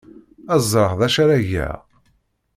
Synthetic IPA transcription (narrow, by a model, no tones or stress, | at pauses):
æzˤːəɾˤhðæʃaɾæʝæ̰